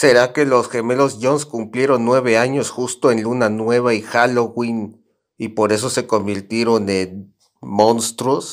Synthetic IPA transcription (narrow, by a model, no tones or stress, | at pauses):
se̞ɾake̞lo̞sxe̞me̞lo̞sʝo̞nskumplje̞ɾo̞nːwe̞βe̞aɲo̞sxust̪o̞enlunanwe̞β̞aixaloɣwin | ipo̞ɾe̞s̬o̞se̞ko̞mbiɾt̪je̞ɾo̞nen | mõ̞nst̪ɾos